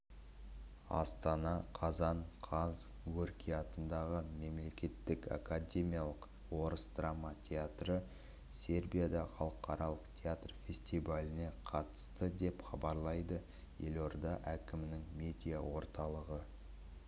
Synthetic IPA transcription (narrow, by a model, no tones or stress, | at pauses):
ɑ̰st̪ɑnɑqʰɑzɑɴqʰɑz | ɡɵrkʲijɑt̪ənd̪ɑʁəme̞mle̞kʲe̞t̪ːɪka̰kadʲe̞mʲijalˠəq | wo̞ɾəsd̪ramat̪ʲʰeat̪rə | sʲe̞rbijad̪ɑχɑlˠəqɑɾɑlˠəqt̪ʰʲeat̪rfʲe̞sʲt̪ivalʲɪne̞qʰɑt̪ə̥st̪əd̪e̞pχɑbɑɾlˠɑjd̪ə | je̞lo̞ɾɑd̪ɑʔækʲɪmɪnɪŋmʲe̞d̪ʲijawo̞ɾt̪ɑlˠəʁə